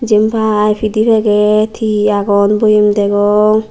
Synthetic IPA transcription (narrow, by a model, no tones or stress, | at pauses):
d͡ʒempʰaːjpʰidipʰɛɡɛt̪ʰiaɡɔnbojemd̪ɛɡɔŋ